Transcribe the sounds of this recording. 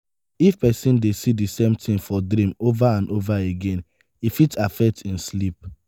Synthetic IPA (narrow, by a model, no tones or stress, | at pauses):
ifpɛsĩndesidisẽmtʰĩŋfɔdɾĩmovaãndovaeɡẽn | ifitafɛk̚tĩn̩slip̚